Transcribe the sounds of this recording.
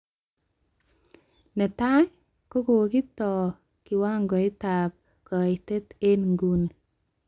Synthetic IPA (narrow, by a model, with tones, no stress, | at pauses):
nɛ˨ta˦ | ko˦ko˨wki˦tɔ˨ | kɪ˨wa˦ŋɡɔ˨ɪ˦ta˨p̚ | kɔ˨ɪ˨te˦t̪e˦nŋɡu˦ne˨